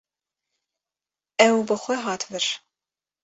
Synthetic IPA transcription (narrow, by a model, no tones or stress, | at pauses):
ɛwbɐχʷɔʁɑːtʰvɨr